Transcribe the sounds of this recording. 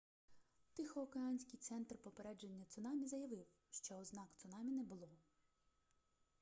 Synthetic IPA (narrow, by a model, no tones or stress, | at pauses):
t̪ɪxɔːkeɑnʲsʲkɪjt̪sɛnt̪rpɔpeɾɛd͡ʒenʲːɐt̪sʊnɑmʲizɐjɐʋɪw | ʃt͡ʃɔznɑkt̪sʊnɑmʲinɛbʊlˠɔ